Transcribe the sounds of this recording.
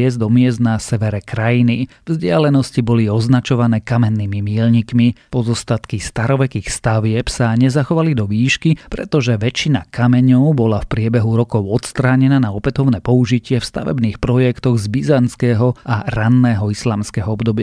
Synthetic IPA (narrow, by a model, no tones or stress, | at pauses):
ɛzd̪ɔmɪɛzd̪nasɛʋɛɾɛkɾajinivzɟɪalɛnɔscibɔliɔznat͡ʃɔʋanɛːkamɛnːiːmimiɛlɲikmipɔzɔst̪at̪kist̪aɾɔʋɛkiːxst̪aʋɪɛpsaɲɛzaxɔʋalid̪ɔʋiːʃkipɾɛ̰t̪ɔʒɛʋɛt͡ʃina̰kamɛɲɔʊbɔlafpɾɪɛbɛɦuɾɔkɔʊɔt̪st̪ɾaːɲɛnanaɔpɛt̪ɔʊnɛːpɔuʒicɪɛfst̪a̰ʋɛ̰bniːxpɾɔjɛkt̪ɔɣzbizant͡skɛːɦɔʔaɾanːɛːɦɔislaːmskɛːɦɔɔbd̪ɔba